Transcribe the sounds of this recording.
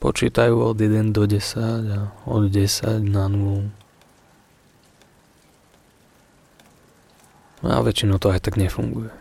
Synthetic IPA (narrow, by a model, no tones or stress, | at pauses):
pɔ̰t͡ʃḭːt̪ajuːɔd̪jɛd̪ɛnd̪ɔɟɛsaɟaɔ̰d̪ɟɛsa̰ɟnanulu | na̰ʋɛt͡ʃinɔʊt̪ɔajt̪aɡɲɛfṵŋɡujɛ